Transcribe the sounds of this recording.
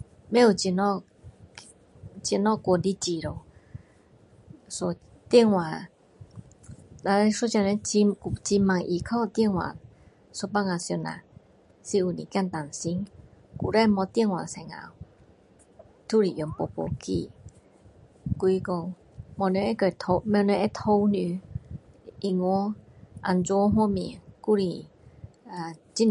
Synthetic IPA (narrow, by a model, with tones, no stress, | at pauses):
mɛ˦u˨t͡ʃi˧nɔ˦ | t͡ʃi˧˨nɔ˦˨ko˧˨ndi˦t͡ʃi˧ɾo˨w | so˧ | t̪i˦˥ə˨ŋwa˨ | da˧ɾɛ˧su˦t͡ʃa˧nɛ˧˦t͡ʃi˧ku˧t͡ʃi˧ma˧˨ŋʔi˨kʰɔ˦˨t̪i˧˨ŋwa̰˨ | so˧pa˦˧ŋa˧˨sjo˧na̰˨ | si˧u˨nḭ˨ka˦nt̪a˨nsi˧˦ŋ | ku˨ɾɛ˦˨mɔ˧t̪i˧ə˨ŋwa̰˨sɛ˧˨ŋa̰˧˨w | t̪ʰu˦ɾi˨jo˨˧˨mpo˧po̰˧˨kʰḭ˧˨ | ki˧ko˧ŋ | mɔ˧ne˧˦ɛ˧˦kø˨t̪ʰo˧mɛ˧ne˧˦ʔɛ˦t̪ʰo˧˦wny˧˨ | i˧ŋɔ˧˦ʔa̰˧˨nt͡sɔ˧˦ɦwɔ˥˨mi˧˨ŋku˦˨ɾi˨ | a˨t͡ɕi˦˨n